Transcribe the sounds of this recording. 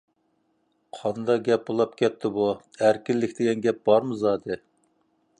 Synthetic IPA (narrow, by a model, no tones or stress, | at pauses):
qʰɑnd̪ɑɡʲɛp̚bolˠɑpkʲʰɛt̪ʰːɪbu | æɾkʲilːɪkʲd̪ɪɡʲɛnɡʲɛp̚b̥ɑɾmɨzɑːd̪ɨ